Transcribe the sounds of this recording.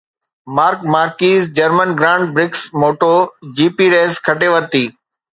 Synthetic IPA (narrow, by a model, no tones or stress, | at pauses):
maːɾkmaːɾkiːzd͡ʑəɾmənɡɾãːɳɖ̚bɾɪksmoːʈoːd͡ʑiːpiːɾeːskʰɐʈeʋəɾt̪iː